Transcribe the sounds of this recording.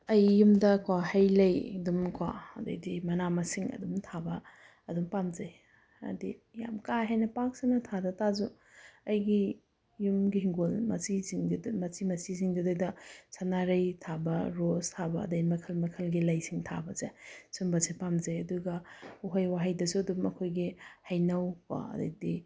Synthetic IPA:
ɐjːumdɐkwahɐjlɐjdumkʰwa̰ɐ̰dɐ̰jdimɐnamɐsiŋɐ̰dumtʰabɐː | dumpamzej | ɐ̰dḭja̰mkaɦajnɐpak̚siŋnɐtʰadɐtazu | ɐjɡi | jumɡiɦiŋɡolmɐ̰siziŋmɐt͡ʃimɐsiziŋdɐdɐdɐsʰɐnaɾɐjtʰabɐɾostʰabɐɐ̰dɐjmɐkʰɐlmɐkʰɐlɡilɐjsiŋtʰa̰bɐzesumbɐsepamzejɐduɡɐuɦɐjwaɦɐjdɐsuɐdumɐkʰojɡihɐjnɐwa̰ɐ̰dɐ̰jdi

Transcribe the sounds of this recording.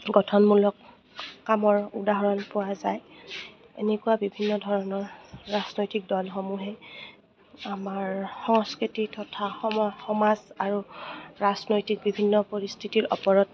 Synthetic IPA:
ɡɔtʰɔnmulɔkː | amɔɹudaɦɔɹɔnpʊwazaj | ḛnekʊwabibʱinːɔdʱɔɹɔnɔɹɹaznojtik̚dɔlxomuɦɛ | amaɹxɔŋskɹititʰɔtʰaxɔxɔmazaɹuɹaznojtik̚bibʱinːɔpoɹistʰitiɹʔɔ̰pɔɹɔt̚

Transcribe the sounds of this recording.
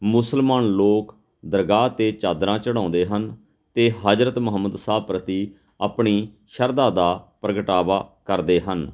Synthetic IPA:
mʊsəlmaːnloːk | d̪əɾɡaːt̪eːt͡ʃaːd̪ɾãːt͡ʃəɽ̃ãːʊ̃nd̪eːɦən | t̪eːɦaːd͡ʒɾət̪mʊɦəmːəd̪saːpɾət̪iː | apɳiː | ʃəɾd̪aːd̪aːpɾəɡəʈaːʋaːkəɾd̪eːɦən

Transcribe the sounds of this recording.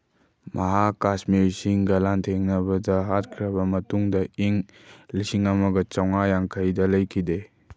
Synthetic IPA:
mʔɐɦakasmiɾisiŋɡɐlantʰeŋnɐbɐdɐɦat̚kʰɾɐbɐmɐtuŋdɐiŋ | lisiŋɐmɐɡɐt͡ʃawŋajaŋkʰɐjdɐlɐjkʰide

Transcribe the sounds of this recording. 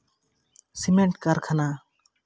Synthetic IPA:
simeɳʈ̚kaɾkʰana

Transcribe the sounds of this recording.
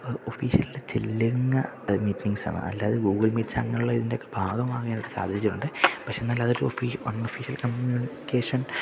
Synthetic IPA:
ofiːʂiɐlilet͡ɕḛlːiŋːɐ | miːtniŋsa̰ːnɐ̰ɐ̰lːaːɐðɨɡuːɡɐɭmiːʈsɐ̰ŋːɐnuɭːɐiðindeokːebʱaːɡɐmaːɣɐjaːnɐʈːɨsa̰ːd̪ʱiɾit͡ɕːuʈːuɳɖɨpɐkʂeːnːɐlːaːɐðo̞ɾuofiʋɐnːofiːʂijɐlkɐmjuniikeːʂɐn

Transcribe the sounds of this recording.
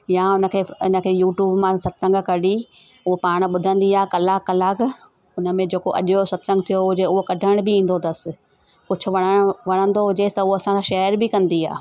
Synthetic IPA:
jaʊnə̆kʰeːʊnə̆kʰeːjuːʈjuːbmãsɐt̪sə̃ŋɡʱkɐɽi | ʊɦopaːɽ̃ɓʊd̪ʱə̃nd̪iaːɦkɐlaːkɐlaːk | ʊnə̆mẽd͡ʑeːkoʔɐ̰ʄosɐt̪sə̃ŋɡ̚t̪ʰijoʊd͡ʑeʊɦokɐɖʱəɽ̃bɪĩːn̆d̪od̪ɐsɪ̆ | kʊd͡ʑʱʰʊ̆ʋɐɽ̃əɽ̃ʋɐɽ̃ə̃nd̪oɦʊd͡ʑest̪ɐʊɦoɐsãsãʃɛːəɾbɪkɐ̃nd̪ia̰ː

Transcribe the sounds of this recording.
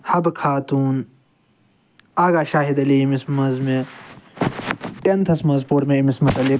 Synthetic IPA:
hɐbkʰaːt̪uːn | aːɡaːʃaːɦid̪ɐliimismɐzme | ent̪ʰɐsmɐzpoːɾmẽimismɐt̪ɐli

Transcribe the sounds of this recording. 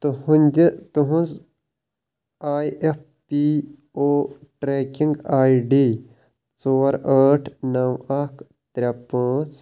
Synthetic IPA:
t̪uhunʲd͡ʒit̪uɦũnz | aːjep̚ʰ | pi | oːʈɾeːkiŋɡaːiɖiː | t͡soːɾɐːʈʰnɐwɐkʰ | t̪ɾʲɐpəs

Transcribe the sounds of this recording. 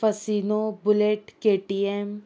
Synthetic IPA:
pɐsiːnobʊleʈkeːʈiem

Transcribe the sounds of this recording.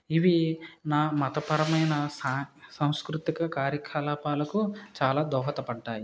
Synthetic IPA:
iʋinaːmɐt̪ɐpɐɾɐmɐjnɐsasɐ̃w̃skɾut̪ikɐkaːɾjɐkʰalaːpaːlɐkut͡ʃaːlaːd̪ɔːɦɐt̪ɐpɐɳʈaːji

